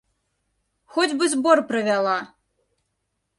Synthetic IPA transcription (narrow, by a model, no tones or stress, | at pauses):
xɔd͡zʲbɨzʲbɔrpɾɨvʲalˠa